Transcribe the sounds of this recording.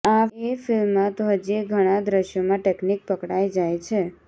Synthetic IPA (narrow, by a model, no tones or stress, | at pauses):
aefɪlmːãt̪oɦəd͡ʒiɡʱəɽ̃ad̪ɾəʃjomãʈeknik̚pəkɽajd͡ʒajt͡ʃʰe